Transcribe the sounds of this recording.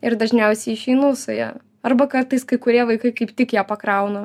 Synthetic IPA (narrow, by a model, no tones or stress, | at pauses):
ɪɾd̪ɐʒʲnʲɛʊsʲɛɪɪʃʲɛɪnuːsɐjɛ̰ | ɐrbɐkɐrt̪ɐɪskɐɪkʊɾʲiɛʋɐɪkɐɪkɐɪpt̪ʲɪkjæːpɐkɾɐʊnɐ